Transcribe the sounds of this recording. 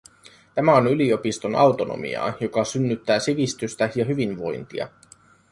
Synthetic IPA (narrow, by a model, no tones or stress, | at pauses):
t̪æmæo̞nylio̞pist̪o̞nʔɑ̰wt̪o̞no̰mḭɑ̰ːjo̞kɑsynːyt̪ːæːsiʋist̪yst̪æjɑɦyʋinʋo̞jnt̪iɑ̰